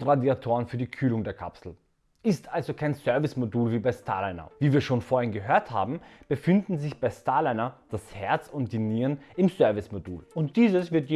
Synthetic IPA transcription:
tʁadiatʰoːʁənfyːɐdiːkʰyːlʊŋdeːɐkʰa̰psl̩ | ʔɪstʔalzokʰaɪnsœɐvɪsmoduːlviːbaɪstʰa̰ːlɛnɐ̰viːviːɐʃoːnfoːɐhɪnɡəɦøːɐtha̰ːbm̩b̥əfɪndn̩zɪçb̥aɪstʰaːlɛnɐd̥ashɛɐt͡sʊntd̥iniːʁənɪmzœɐvɪsmodṵːlʊnt̚d̥iːzəsv̥ɪɐtje

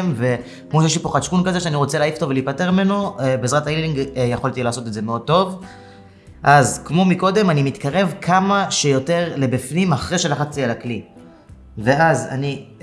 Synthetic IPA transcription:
mve̞ | kmoʃjeʃ̬lipo̞χaʃkunkaze̞ʃeaniʁo̞t͡seleaːift̪ovelipate̞ʁmimenobezʁat̪ailiŋɡjeχolt̪ilaːso̞t̪edze̞meo̞d̚t̪o̞v | ʔazkmo̞miko̞d̪e̞manimit̪kaʁe̞vkʰamaʃejo̞te̞ʁlebifnimaχʁeʃe̞laχat͡st͡sijelakli | ve̞aza̰ni

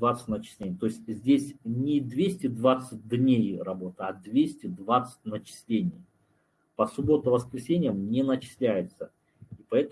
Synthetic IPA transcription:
vat̪sɨ̥tʲnət͡ɕɪ̥sʲlʲenʲɪjət̪o̞ɪsʲtʲzʲdʲesʲnʲɪd̪vʲesʲtʲɪd̪vat̪sɨt̚ʲd̪nʲejrɐbo̞t̪ɨɐd̪vʲesʲtʲɪd̪vat̪sɨ̥t̚ʲnət͡ɕɪ̥sʲlʲenʲɪj | pəsʊbo̞t̪ʊvəskɾʲɪsʲenʲɪjəmnʲɪnət͡ɕɪ̥sʲlʲæjɪt̪sə | ipɐɛt̪ə

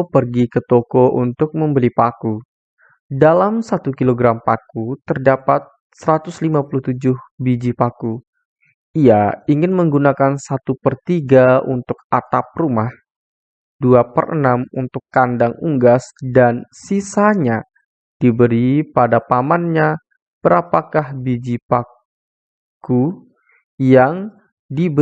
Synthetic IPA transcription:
pərɡikət̪okoʔunt̪ʊk̚məmbəlipaku | dalamsat̪ukiloɡɾampakut̪ərdapat̪̚ | səɾat̪ʊslimapuluht̪ud͡ʒʊhbid͡ʒipaku | ijaiŋɪnməŋɡunakansat̪upərt̪iɡaunt̪ʊk̚at̪ap̚rumah | duapə̰rʔə̰namunt̪ʊkːandaŋuŋɡasdansisaɲa | d̥ibəɾipadapamanɲa | b̥əɾapakahbid͡ʒipa | ku | jaŋ | dib

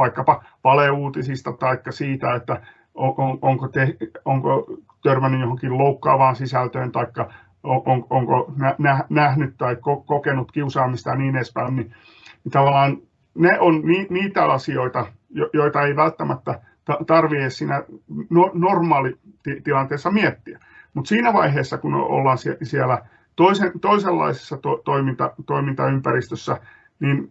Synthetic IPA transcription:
ʋɑikːɑpɑ | ʋɑleuːt̪isist̪ɑt̪ɑikːɑsiːt̪æet̪ːæ | oʔooŋkot̪ehoŋko̰t̪ørmænːyjjohoŋkilloukːɑ̰ːʋɑːnsisælt̪øːnt̪ɑikːɑ | oʔoŋoŋkonænæhnæhnyt̪t̪ɑikokokenut̪kiusɑːmist̪ɑniːnespæinni | nit̪ɑʋɑlːˑɑːn | neʔonniːniːt̪æɑsioit̪ɑ | jojoit̪ɑeiʋælt̪ːæmæt̪ːæ | t̪ɑt̪ɑrʋiessiːnænonormɑːlit̪it̪ilɑnt̪eːsːɑmiet̪ːiæ | mut̪siːnæʋɑiɦeːsːɑkunḛʔo̰lːɑːnsisiælæ | t̪oisent̪oiselːɑ̰ise̥sːɑt̪ot̪oimint̪ɑt̪oimint̪ɑympærist̪øsːæ | nin

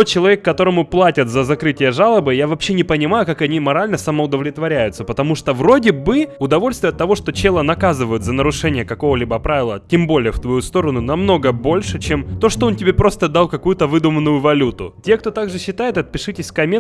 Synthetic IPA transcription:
ot͡ɕɪlˠɐvʲekːɐt̪o̞ɾəmʊplˠatʲət̪zəzɐkɾɨtʲɪjəʐalˠəbɨjavɐpɕːenʲɪpənʲɪmajʊkakɐnʲimɐɾalʲnəsəməʊd̪əvlʲɪt̪vɐɾʲæjʊt̪səpət̪ɐmuʂt̪ovɾo̞dʲɪbɨʊd̪ɐvo̞lʲst̪vʲɪjət̪ːɐvo̞ʂt̪o̞t͡ɕelˠənɐkazɨvəjʊt̪zənəɾʊʂɛnʲɪjəkɐko̞vəlʲibəpɾavʲɪlˠətʲembo̞lʲɪjəft̪vɐjust̪o̞ɾənʊnɐmno̞ɡəbo̞lʲʂɨt͡ɕemt̪o̞ʂt̪oo̞ntʲɪbʲepɾo̞st̪əd̪alˠkɐkujʊt̪əvɨd̪ʊmənːʊjʊvɐlʲut̪ʊtʲek̚t̪o̞t̪aɡʐɨɕːɪt̪ajɪt̪ɐt̪̚pʲɪʂɨtʲɪsʲkɐmʲe

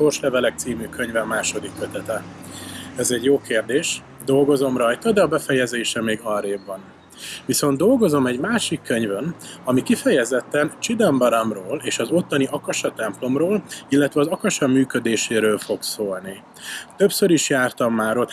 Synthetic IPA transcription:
o̞rʃlɛvɛlɛk̚t̪siːmyːkø̞ɲvɛmːaːʃo̞d̪ikːøt̪ɛt̪ɛ | ɛzɛɟːjoːkeːrd̪eːʃ | d̪o̞lɡo̞zo̞mrɒjt̪ɒd̪ɛɒbɛfɛjɛzeːʃɛmeːɡɒlɾeːbːɒn | viso̞nd̪o̞lɡo̞zo̞mɛɟmaːʃikːø̞ɲvønɒmikifɛjɛzɛt̪ːɛnt͡ʃid̪ɛmbɒɾɒmroːleːʃɒzo̞t̪ːɒniʔɒkɒʃɒt̪ɛmplo̞mroːlilːɛt̪ʋɛɒzɒkɒʃɒmyːkød̪eːʃeːɾøːlfo̞ɡsoːlni | t̪øpsøɾiʃjaːrt̪ɒmːaːɾot̪

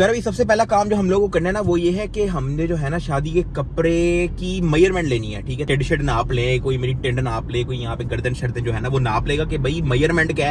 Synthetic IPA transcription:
ɡɐɾbisɐbsepɛːlakaːmd͡ʒoːɦɐmloːɡkokɐɾneɦɛnaʋojeɦɛkeɦɐmned͡ʒoːɦɛnaʃaːd̪ikekɐpɾekimɐjəɾmɛ̃ːɳʈleːniɦɛ̰ːʈʰiːkɦɛʈeɖʃəɖnaːplẽːkoːimeːɾiʈẽɳɖnaːplẽːkoːijɐɦãːpeɡɐɾd̪ənʃɐɽd̪ẽd͡ʒoːɦɛnaʋona̰ːpleːɡakebʱɐimɐjəɾmɛ̃ɳʈkɛː

